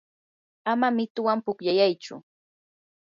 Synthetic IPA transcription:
amamɪt̪ʊwampʊkʎajajt͡ʃʊ̰

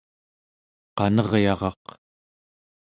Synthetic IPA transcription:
qɑnʌʁjɑʁɑq

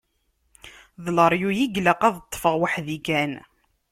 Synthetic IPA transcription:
ðləɾˤjujiɡləqɑðət̪ˤːfəʁwaħðikæn

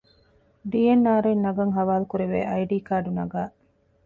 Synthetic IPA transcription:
ɖiːjenːaːɾuinːɐɡɐŋɦɐʋaːlukuɾeʋḛːʔɐjɖiːkaːɖunɐɡaː

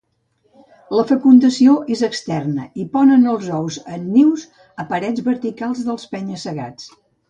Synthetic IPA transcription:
ləfəkund̪əsioʔezəkst̪ɛrnəipɔnənəlˠzɔwzənːiwz | əpəɾɛd͡zβəɾt̪ikalˠzðəlˠspɛɲəsəɣa̰t͡s

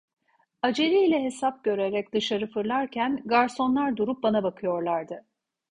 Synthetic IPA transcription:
ad͡ʒe̞ɾilʲɛɦe̞sap̚ɟø̞ɾeɾɛcd̪ɯʃaɾɯfɯɾlˠaɾcʰænɡaɾso̞nlˠaɾd̪uɾup̚banabakʰɯjo̞ɾlˠaɾd̪ɯ

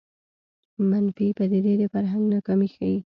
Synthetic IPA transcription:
manfipəd̪ed̪ed̪əfaɾɦaŋɡnakɑmixaji

